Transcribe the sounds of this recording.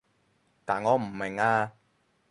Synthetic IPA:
t̪aː˨˩nŋɔː˨˧m̩˨˩mɪ˨˩ŋaː˧

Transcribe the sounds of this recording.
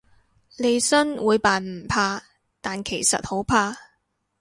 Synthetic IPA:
le˨˧jsɵ˥nwuː˨˧jpaː˨nm̩˨˩pʰaː˧ | t̪aː˨nkʰe˨˩jsɐ̰˨t̚ho˨˥wpʰaː˧

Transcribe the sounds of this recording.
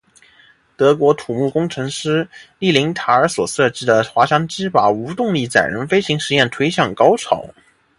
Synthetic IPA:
t̪ɤ˧˥kwɔ˧˥t̪ʰu˨˩mu˥˩kʊ˥ŋʈ͡ʂʰɤ˧˥ŋʂɻ̩˥li˥˩li˧˥ŋt̪ʰa˧˥ə˞˧˥swɔ˨˩sɤ˥˧ʈ͡ʂɻ̩˥d̪ə˨xwa˧˥ɕɑ˥ŋʈ͡ʂɻ̩˥pa˨˩u˧˥t̪ʊ˥˧ŋli˥˩t͡sa̰˨˩ɪɻə̰˧˥nfe˥ɪɕi˧˥ŋʂɻ̩˧˥jɛ˥˩nt̪ʰwe˧˥ɪɕjɑ˥˩ŋkɑ˥ʊʈ͡ʂʰɑ˨˩˦ʊ

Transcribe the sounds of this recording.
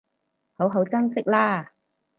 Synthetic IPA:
ho˨˥wɦɐ˨˥wt͡sɐ˥ŋsɪ˥k̚laː˥

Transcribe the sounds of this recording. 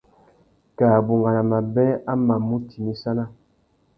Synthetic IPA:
kaː˨bu˨ŋɡa˨na˨ma˨bɛ˦a˦ma˨mu˦ti˨mi˦sa˦na˦

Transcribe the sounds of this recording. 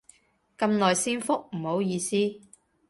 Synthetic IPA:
kɐ˨˧mlɔː˨jsiː˥nfʊ˥k̚m̩˨˩ho˨˥wjiː˧siː˥

